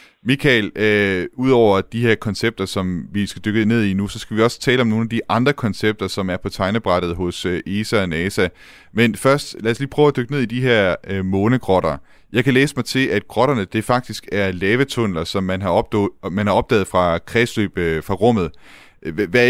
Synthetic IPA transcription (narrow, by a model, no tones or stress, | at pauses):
mikʰɛløuð̞̰ˠɒʊ̰ɐd̥iɦeɐ̰kʰɒ̽nseb̥̚d̥ɐsɒ̽mʋisɡ̥æd̥øɡ̥əð̩ˠne̝ð̰ˠinusɒ̽sɡ̥æʋiɒ̽sə̥t͡sʰɛːləɒ̽mno̝ːnæd̥iʔɑ̈nd̥ʁɐkʰɒ̽nseb̥̚d̥ɐsɒ̽mæɐpʰɒ̽t͡sʰɑ̈ɪnəb̥ʁɑɾð̞̩ˠɦɔ̽søʔe̝ːsæɒ̽nɛːsæ | menfɶɐ̰sd̥læːɐsliːpʰʁœʊæd̥øɡ̥əne̝ðˠid̥iɦe̝ɐ̰mɔ̽ːnəɡ̥ʁɒ̽ɾ̥ɐ | jɑ̈ɪkʰæleːsəmɑ̈ɪt͡sʰe̝lʔæd̥̚ɡ̥ʁɒ̽ɾ̥ɐnəd̥e̝fɑ̈ɡ̥̚d̥isɡ̥æɐlɛːʋət͡sʰɔn̰lɐsɒ̽mːænɦɑ̈ɒb̥mænhɑ̈ɒ̽b̥d̥ɛ̰ːð̩ˠfʁɑ̈kʰʁɛslyb̥fʁɑ̈ʁɔ̽m̰ð̞̩ˠ | ʋæ